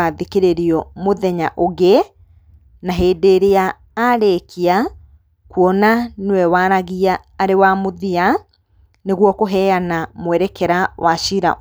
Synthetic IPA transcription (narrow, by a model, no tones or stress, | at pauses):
aðekeɾeɾiɔmoðɛɲaʔoɣe | naɦeːdeːɾeaː | ɾekʰia | kuɔnanewɛwaːɾaɣiaː | ɾewamoðia | neɣwɔkoɦɛanamowɛɾɛkɛɾawaʃiɾa̰